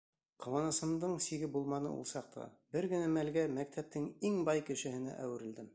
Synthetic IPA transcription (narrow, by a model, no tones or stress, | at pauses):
qowɑnɤ̆sɤ̆md̪ɤɴsiɡɘbulˠmɑnɤ̰ṵlˠsɑq̚t̪ʰɑ̰bɘɾɡɘ̆næmælɡæmæk̚t̪ʰæp̚t̪ɘŋiŋbɑjkɘ̆ʃɘ̆hɘ̆næ̰ʔæwɘ̆ɾɘ̆ld̪ɘm